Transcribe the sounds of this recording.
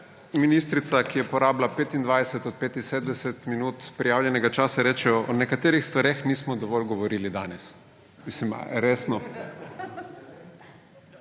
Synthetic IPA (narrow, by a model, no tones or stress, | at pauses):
miniːst̪ɾit̪sakijɛpɔɾaːblapeːt̪ind̪ʋajd̪ɛsɛt̪ɔt̪̚peːt̪inseːd̪d̪ɛsɛt̪minuːt̪pɾijaːwljɛnɛɡat͡ʃaːsaɾɛːt͡ʃɛɔɔnɛkat̪eːɾixst̪ʋaɾexniːsmɔd̪ɔʋɔlɡɔʋɔɾiːlid̪a̰nɛs | mislim̰ɾeːsnɔ